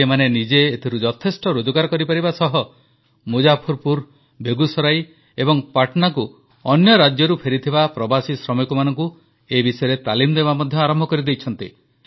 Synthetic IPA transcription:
emanenid͡ʒeːt̪ʰiɾud͡ʒɔt̪ʰesʈɔɾod͡ʒɔkaɾkɔɾipaɾibasɔɦɔ | mud͡ʒapʰɔɾpuɾ | bʱeɡusɔɾaj | ebɔŋpaʈɔnaku | ɔnjɔɾad͡ʒjɔɾupʰeɾit̪ʰibapɾɔbasisɾɔmɔjkumanɔŋku | ebisɔjɾet̪alimɔd̪eβamɔd̪ʱjɔaɾɔmbʱɔkɔɾid̪ejt͡ʃʰɔnt̪i

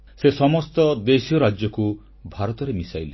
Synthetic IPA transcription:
sesɔmɔst̪ɔd̪esijɔɾad͡ʒjɔku | bʱaɾɔt̪ɔɾemisajle

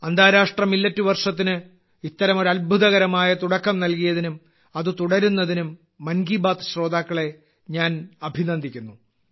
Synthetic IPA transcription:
ɐnd̪ʱaːɾaːʂʈrɐmilːɐtːuʋɐrʂɐt̪̬ːinɨ | it̪ːɐɾɐmo̞ɾuɐlbʱuðɐɣɐɾɐmaːjɐt̪uɽɐkːɐmnɐlkijɐðinum | ɐðɨt̪uɽɐɾunːɐðinumː | ɐnɡiːbaːt̪ɨ̥ɕro̞ːd̪aːkːɐɭe̞ | ɲaːnɐbʱinɐnd̪ʱikʲːunːu

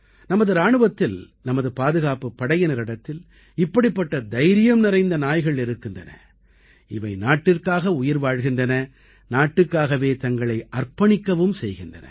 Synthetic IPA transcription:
nɐmɐðɯɾaːɳɯʋɐt̪ːɪl | nɐmɐðɯpaːðɯɣaːpɯpːɐɽɐjɪnɐɾɪɽɐt̪ːɪl | ɪpːɐɽɪpːɐʈːɐd̪ɐjɾɪjɐmnɪrɐɪnd̪ɐnaːjɣɐɭɪɾɯkːɪndrɐ̰nɐ̰ | ɪʋɐɪnaːʈːɪrkaːɣɐʊjɐɾʋaːɻɣɪndrɐnɐ | naːʈːɯkːaːɣɐʋeːt̪ɐŋɡɐɭɐɪʔɐrpɐɳɪkːɐʋɯmsɛjɣɪndrɐ̰nɐ̰

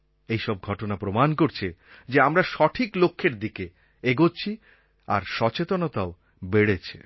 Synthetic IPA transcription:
ejʃɔb̚ɡʱɔʈonapɾomankoɾt͡ɕʰi | d͡ʑeamɾaʃɔʈʰiklokʰːeɾd̪ike | eɡot͡ɕʰi | a̰ɾʃɔt͡ɕet̪onot̪ao | beɽet͡ɕʰe̥

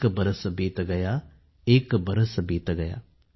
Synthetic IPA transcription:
kbəɾəsbiːt̪ɡɐjaː | ɪkbəɾəsbiːt̪ɡɐja̰ː

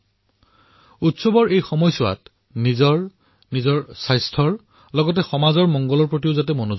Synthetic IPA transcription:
utsɔbɔɹejxɔmɔjsʊa̰t | nizɔɹ | nizɔɹsajstʰɔɹ | lɔɡɔtɛxɔmazɔɹmɔŋɡɔlɔɹpɹotioʊzat̬ɛmono

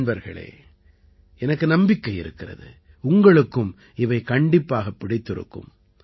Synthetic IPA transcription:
nbɐɾɣɐ̰ɭḛː | ɛnɐkːɯnɐmbɪkːɐɪɪɾɯkːɪrɐ̰ðɯ̰ | ʊŋɡɐɭɯkːɯm | ɪʋɐɪkɐɳɖɪpːaːɣɐpːɪɽɪt̪ːɪɾɯ̰kːɯ̰m

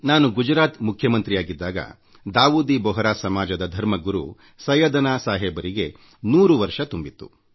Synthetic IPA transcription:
naːnuɡud͡ʒɾaːt̪mukʰjɐmɐnt̪ɾijaːɡid̪ːaːɡɐ̰ | d̪aːʋuːd̪ibɔɦɐɾaːsɐmaːd͡ʒɐd̪ɐd̪ʱɐɾmɐɡuɾṵ | sɐjɐd̪ɐnaːsaːɦeːbɐɾiɡe̞ | nuːɾuʋɐɾʂɐt̪umbit̪ːṵ

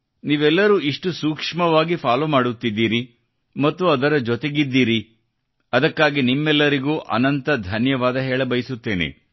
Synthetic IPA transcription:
niːʋɛlːɐɾuːiʂʈusuːkʂmɐʋaːɡipʰaːloːmaːɽut̪ːid̪ːiːɾi | mɐt̪ːuɐd̪ɐɾɐd͡ʒɔt̪eɡid̪ːiːɾi | ɐd̪ɐkːaːɡinimːɛlːɐɾiɡuːʔɐ̰nɐnt̪ɐd̪ʱɐnjɐʋaːd̪ɐɦɛːɭɐbɐjsut̪ːe̞ːnḛ

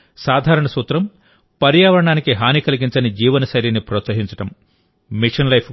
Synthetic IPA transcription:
saːd̪ʱaːɾɐɳɐsuːt̪ɾɐm | pɐɾjaːʋɐɾɐɳaːnikiɦaːnikɐliɡiɲt͡ʃɐnid͡ʒiːʋɐnɐsɐjɾinːipɾɔːt̪sɐɦiɲt͡ʃɐ̥ʈɐm | miʂɐnlɐjpʰ

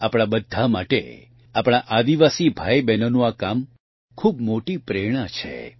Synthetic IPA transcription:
apɽ̃abəd̪ʱːamaʈḛ | apɽ̃aʔad̪iʋasibʱajbɛnənũakam | kʰub̚moʈipɾeɽ̃at͡ʃʰḛ

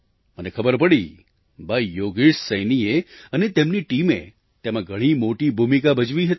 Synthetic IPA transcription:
mənekʰəbəɾpəɽi | bajoɡiʂsəjnieənet̪emniʈimḛ | t̪emãɡʱəɽ̃imoʈibʱumikabəd͡ʒʋiɦət̪

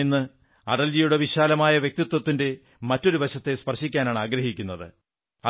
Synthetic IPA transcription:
enːɨ | ɐɽɐljijuɽe̞ʋiɕaːlɐmaːjɐʋjek̚t̪it̪wɐt̪ːinde̞ | mɐtːo̞ɾubɐɕɐt̪ːe̞spɐrʂikʲːaːnaːɳaːɡɾɐɦikʲːunːɐðɨ̰ | ɐ

